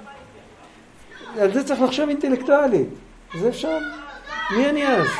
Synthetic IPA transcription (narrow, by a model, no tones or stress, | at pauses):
alzet͡saxlaχʃovint̪elekt̪ualit̪ | zeːfʃalmianiaz